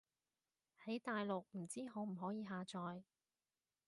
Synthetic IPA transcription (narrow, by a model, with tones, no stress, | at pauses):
hɐ˨˥jt̪aː˨jlʊ˨k̚m̩˨˩t͡siː˥ɦɔː˨˥m̩˨˩ɦɔː˨˥jiː˨˧ɦaː˨t͡ʃɔː˨˧j